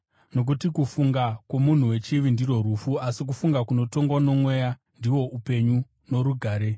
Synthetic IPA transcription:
no̞k̬utikufuŋɡakwo̞mun̤uwe̞t͡ʃiʋindiro̞rufuasik̬ufuŋɡakuno̞to̞ŋɡwano̞mwe̞ja | ndiwo̞ʔupe̞ɲu | no̞ɾuɡʱaːɾe̞

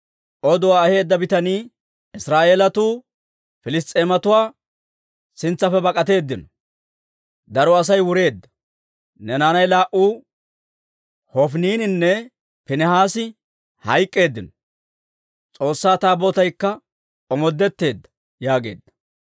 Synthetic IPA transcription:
ʔɔd̪ʊwaːɐhe̞ːd̪ːɐbɪt̪ɐniː | ɪsɾaːʔeːlɐt̪uː | fɪlɪs̬t̪ʼeːmɐt̪ʊwaː | sɪnt͡sːɐfɛbɐkʼɐt̪e̞ːd̪ːɪnɔ | d̪ɐɾɔɐs̬ɐjwʊɾe̞ːd̪ːɐ̥ | nɛnaːnɐjlaːʔuː | hɔfniːnɪnːɛ | pɪnɛhaːsɪ | hɐjkʼːe̞ːd̪ːɪnɔ̥ | t͡sʼo̞ːsːaːt̪aːboːt̪ɐjkːɐ | ɔmɔd̪ːɛt̪ːe̞ːd̪ːɐ̥ | jaːɡe̞̰ːd̪ːɐ̥

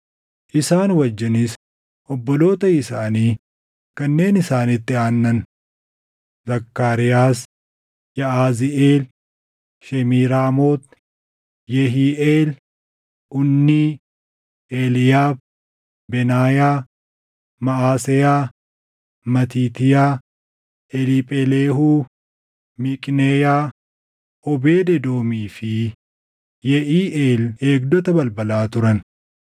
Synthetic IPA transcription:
ʔɪsaːnwɐd͡ʒːɪnɪs | ʔɔbːɔlo̞ːt̪ɐɪsaːniː | kɐnːe̞ːnɪsaːnɪt̪ːɪaːnːɐn | zɐkːaːɾɪjaːs | jɐaːzɪʔeːl | ʃɛmiːɾaːmoːt̪ | jɛɦiːʔeːl | ʔʊnːiː | eːlɪjaːb | bɛnaːjaː | mɐaːsɛjaː | mɐt̪iːt̪ɪjaː | ɛlipʼɛleːɦuː | mɪkʼnejaː | ʔɔbeːd̪ɛd̪o̞ːmiːfɪ | jɛʔiːʔeːleːɡd̪ɔt̪ɐbɐlbɐlaːt̪ʊɾɐn

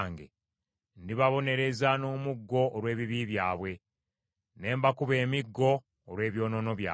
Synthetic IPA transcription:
ŋɡḛ | ndiβaβo̞ne̞ɾe̞zano̞ːmuɡːo̞ʔːɾwe̞ːβiβiβjaːβwe̞ | ne̞ːmbakuβe̞ːmiɡːo̞ː | ɾwe̞ːβjo̞ːno̞no̞βja̰ː

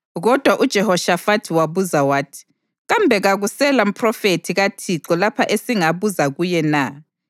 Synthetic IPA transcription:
ɣɔd̥ʱwaʔud̥ʒ̥ʱɛhɔʃafatʰwaβuzawaːtʰi̥ | ɣambʱɛɣaɣusɛlam̩pʰrɔfetʰiɣatʰiǁɔlapʰaʔesiŋaβuzaɣujɛna

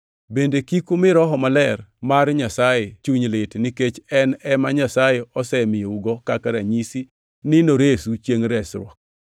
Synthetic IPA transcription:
bendekikomɪɾɔɦɔmalɛrmarɲasajet͡ʃuɲlɪtniket͡ʃɛnɛmaɲasajeɔsɛmɪjouɡɔkakaɾaɲisi | nɪnoɾesut͡ʃjeŋɾɛsɾwɔ̰k̚

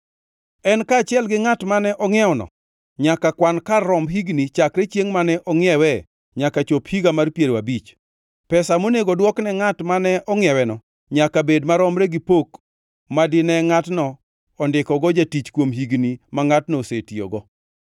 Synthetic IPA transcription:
ɛnkaːt͡ʃɪɛlɡɪŋatmanɛʔɔŋɪɛɔnɔ̰ | ɲakakwankarːɔmɦiɡnit͡ʃakɾɛt͡ʃjeŋmanɛʔɔŋɪɛwɛ | ɲakat͡ʃophiɡamarpjeɾwabit͡ʃ | pɛsamoneɡɔdwɔknɛŋatmanɛʔɔŋɪɛwɛnɔ | ɲakabedmaɾɔmɾɛɡipok | madɪnɛŋatnɔː | ndɪkɔɡɔd͡ʒatit͡ʃkwomɦiɡnimaŋatnɔsetijo̰ɡɔ

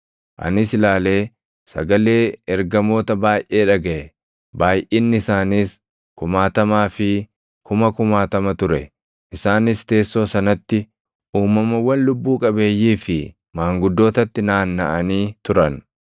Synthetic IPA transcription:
ʔɐ̰nɪsɪlaːle̞ː | sɐ̰ɡɐle̞ːɛɾɡɐmo̞ːt̪ɐbaːjʔe̞ːᶑɐɡɐʔɛ | baːjʔeːnːɪɪsaːniːs | kʊmaːt̪ɐmaːfɪ | kʊmɐkʊmaːt̪ɐmɐt̪ʊɾɛ | ʔɪsaːnɪst̪e̞ːsːo̞ːsɐnɐt̪ːɪ | uːmːɐmɐwːɐnlʊbːuːkʼɐbe̞ːjːiːfɪ | maːŋɡʊd̪ːo̞ːt̪ɐt̪ːɪnaːnːɐʔɐniːt̪ʊɾɐn

